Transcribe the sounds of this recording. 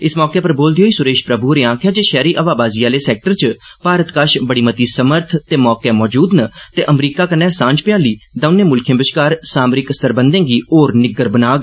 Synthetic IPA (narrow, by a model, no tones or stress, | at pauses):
ɪsmɔːkeːpəɾboːld̪iɦoːiːsʊɾeːʃpɾəbuɾeːãːkʰjaːd͡ʒeːʃɛːɾiːʔəʋaːbaːziːaːleːsɛːk̚ʈəɾt͡ʃpaːɾət̪kaʃbəɽiːmət̪iːsəməɾt̪ʰt̪eːmɔːkeːmɔːd͡ʒuːd̪nət̪eːʔəmɾiːkaːkənːɛːsãːɲd͡ʒpɪjaːliːd̪ə̃nẽːmʊlkʰẽːbɪʃkaːɾsaːmɾɪksəɾbənd̪ẽːɡiːoːɾnɪɡəɾbənaːɡ